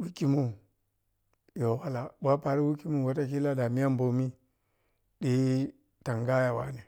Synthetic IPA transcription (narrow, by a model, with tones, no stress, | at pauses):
wi˦ki˨mu˦ | jo˨wa˦la˨ba˦pa˨ɾi˦wu˦ki˦mu˦˨wa˨ta˦ki˦la˦da˨mi˦ja˦mbo˨mi˦ | ɗi˦ | ta˨ŋɡa˦ja˨wa̰˦ni˨